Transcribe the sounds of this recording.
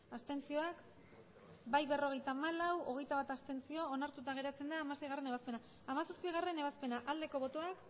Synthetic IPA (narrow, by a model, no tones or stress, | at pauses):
ast̪e̞nt͡sio̞ak | bajβe̞ro̞ɣ̞e̞jt̪aːmalawo̞ɣ̞e̞jt̪aβat̪ast̪e̞nt͡sio̞ːnaɾt̪ut̪aɣ̞e̞ɾat͡se̞nd̪aːmase̞jɣare̞ne̞βaspe̞na | amasospiɣ̞are̞ne̞β̞aspe̞naʔald̪e̞ko̞βo̞t̪o̞ak